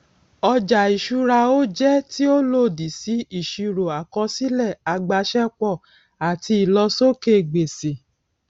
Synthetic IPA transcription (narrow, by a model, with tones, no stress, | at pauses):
ɔ˧d͡ʒa˨i˨ʃu˧ɾa˧o˦d͡ʒɛ˦ti˦o˦lo˦˨di˨si˨˦i˦˨ʃi˧ɾo˨a˨kɔ˧˦si˦lɛ˦˨a˧ɡ͡ba˧˦ʃɛ˦k͡pɔ˦˨ | a˨ti˧˦i˨lɔ˧so˦ke˦˨ɡ͡be˨se˨